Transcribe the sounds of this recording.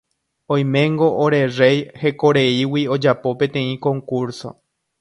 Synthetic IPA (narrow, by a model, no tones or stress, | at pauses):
õj̃mẽŋɡo̞ʔoɾe̞re̞jhe̞koɾe̞iwio̞d͡ʒapo̞pẽ̞t̪ẽ̞ĩkõ̞ŋkuɾso̞̰